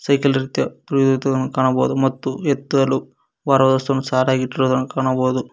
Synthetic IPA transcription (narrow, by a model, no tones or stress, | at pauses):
sɐjkɐlɐɾit̪jɐpɾjd̪ut̪ɐd̪ɐnɐkaːɳɐboːd̪umɐt̪ːuɛt̪ːud̪ɐlu | ʋaːɾʋɐd̪ɐst̪unusaːɾaːɡiʈːɾoːd̪ɐnːɐkaːɳɐboːd̪u